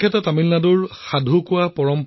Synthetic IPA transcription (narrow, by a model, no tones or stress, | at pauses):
kʰɛtɔtamilnadʊɹxadʱʊkʊwapɔɹɔmp